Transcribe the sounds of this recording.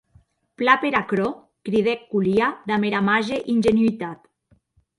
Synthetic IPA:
plapeɾakɾo | kɾið̞ekːuliaðameɾamaʒeʔinʲʒenuit̪at̪

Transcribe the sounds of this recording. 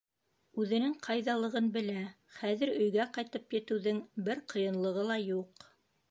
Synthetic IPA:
ʉðɘ̆nɘŋqʰɑjðɑlˠɤ̆ʁɤnbɘ̆læ | χæðɘ̆ɾɵ̆jɡæqɑjt̪ɤpjɘ̆t̪ɘ̆wðɘŋbɘɾqɤ̆jɤ̆nlˠɤ̆ʁɤlˠɑjuq

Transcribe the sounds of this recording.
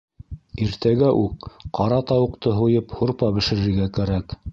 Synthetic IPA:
iɾt̪æɡæʔʉkqɑɾɑt̪ɑwɤ̆qt̪ɤɦujɤphuɾpɑbɘ̆ʃɘ̆ɾɘ̆ɾɡækæɾæk

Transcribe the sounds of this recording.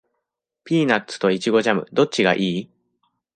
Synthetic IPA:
pʲiːnatt͡sɨ̥t̪o̞it͡ɕiɡo̞ʑamɯ̟̰d̪o̞t͡ɕiɡa̰ʔiː

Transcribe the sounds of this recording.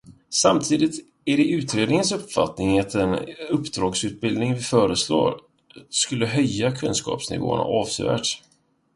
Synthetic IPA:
samt̪ʰiːd̪ɪt̪ | æɖɛʉ̟ːt̪ɾeːd̪nɪŋənsɵpfa̰t̪nɪŋat̪ɛnɵpːd̪ɾɑːɡsʉ̟ːt̪̚bɪld̪nɪŋvɪfœːɾəslo̰ːɾ | skɵlːəɦœjːakʰɵnskɑ̰ːpsnɪ̰vo̰ːna̰ʔɑːvseːvæ̰ːʈ

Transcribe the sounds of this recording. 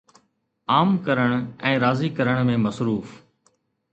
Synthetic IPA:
aːmkəɾəɽ̃ɛ̃ːɾaːziːkəɾəɽ̃mẽːməsɾuːf

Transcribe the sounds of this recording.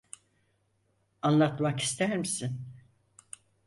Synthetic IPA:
anlˠat̪maki̥st̪ʰæɾmisin

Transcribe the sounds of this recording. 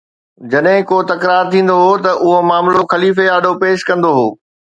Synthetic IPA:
d͡ʑɐɗɦɪ̃koːt̪ɐkɾaːɾt̪ʰĩːn̆d̪oɦoːt̪ɐʔʊɦomaːmloxɐliːfeaːɖʱopeːʃkɐ̃nd̪oɦoː

